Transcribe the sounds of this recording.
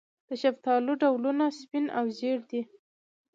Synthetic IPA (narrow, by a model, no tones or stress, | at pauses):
d̪̥əʃabt̪ɑluɖawlunaspinawzeɽd̪i